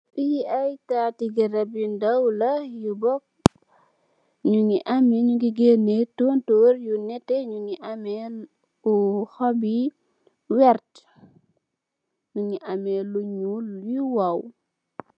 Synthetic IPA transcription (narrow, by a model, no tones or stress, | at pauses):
ɓiiajtatiɡiɾɐbindɐwlɐjubɔk̚ | ɲuŋiʔɐmiɲuɡiɡenetontoɾjunɛtːɛɲuŋiʔamɛn | uxɔbi | wɛrt | ɲuŋiʔamɛluɲujuwaw